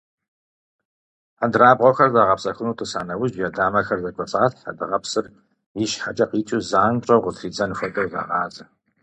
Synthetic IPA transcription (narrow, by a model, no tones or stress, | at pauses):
adraːbʁʷɔxɐrzaːʁɐpsɐxʷʊnuːtʰɨsa̰ːnɐwʊʑjɛdaːmɐxɐrzɐkʷʼɔt͡sʼaːtħa̰dɨʁɐpsɨr | jiʃħat͡ʃʼɐqiːt͡ʃʼuzaːnt͡ʃʼɐwʁətʰriːd͡zɐnɨfɐtʼɐwza̰ːʁɑːzʼɐ